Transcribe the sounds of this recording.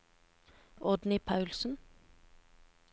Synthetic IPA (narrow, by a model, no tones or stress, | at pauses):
ʔɔd̪nɪpʰɑʉlsn̩